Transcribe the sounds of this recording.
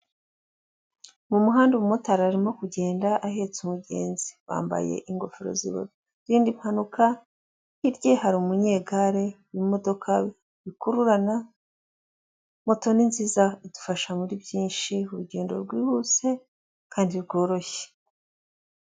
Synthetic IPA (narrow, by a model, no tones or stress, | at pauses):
mumuɦaːndumumotaɾaːɾimo̞kuɟe̞ːndaʔaɦe̞ːt͡sumuɟe̞̰ːnzi̥βa̰ːmba̰jḛʔiŋɡo̞fiɾo̞̰zḭβo̰ɾo | ɾiːndimihanuka | hiɾɟe̞haɾiumuɲe̞ːɡaɾe̞wimo̞do̞kʰaβi | βikuɾuɾana | mo̞to̞ninziːzaidu̥faʃamuɾibjiːnʃiuɾuɟe̞ːndo̞̰ɾɡwiːhuse̞ | kʰaːndiɾɡo̞ːɾo̞çe̥